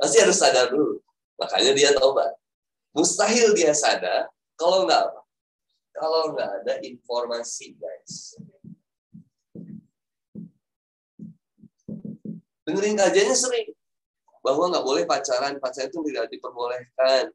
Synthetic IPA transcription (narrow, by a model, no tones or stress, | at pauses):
past̪iɦaɾʊsadabt̪̚ | ma̰ka̰ɲadiat̪oba̰t̪̚ | must̪aɦɪldiasada | kalawŋɡa̰ʔapa | kalawŋɡaːdaʔinformasiɡa̰s | dəŋəɾɪŋkad͡ʒaɲasəɾɪŋ | baɦwaŋɡaʔbolɛhpat͡ʃaɾanpat͡ʃaɾant̪ʊŋt̪idak̚dipərmolɛhkan